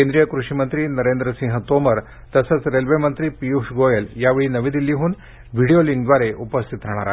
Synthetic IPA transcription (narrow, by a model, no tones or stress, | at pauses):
kend̪ɾijəkɾuʂimənt̪ɾiːnəɾend̪ɾəsĩŋɦət̪oməɾ | t̪əsət͡sɾelʋemənt̪ɾiːpijuʂɡojeljaʋeɭiːnəʋid̪ilːiɦuːn | ʋiɽijoliŋɡd̪ʋaɾeʔupəst̪ʰit̪ɾɛɽ̃aɾa